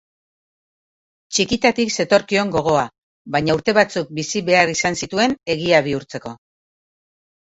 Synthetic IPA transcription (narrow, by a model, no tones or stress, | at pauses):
t͡ʃikit̪at̪ikse̞t̪o̞ɾkio̞ŋɡo̞ɣ̞o̞a | βajɲauɾt̪e̞βat͡suk̚bisiβe̞aɾisansit̪ue̞ne̞ɣiaβ̞iuɾt͡se̞ko̞